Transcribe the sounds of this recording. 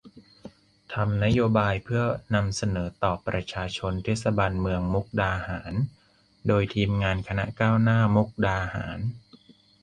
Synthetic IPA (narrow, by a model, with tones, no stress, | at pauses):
t̪ʰa˧mna˦˥joː˧baː˧jpʰɯ˥˩ɐna˧msa˧nɤː˩˦t̪ɔː˨˩pːɾa˧t͡ɕʰaː˧t͡ɕʰo˧nt̪ʰeː˦˥t̪̚sa˧baː˧nmɯ˧əŋmu˦˥k̚daː˧haː˩˦n | doː˧jt̪ʰiː˧mŋaː˧nkʰa˧na̰˦˥kaː˥˩wnaː˥˩mu˦˥k̚daː˧ha̰ː˩˦n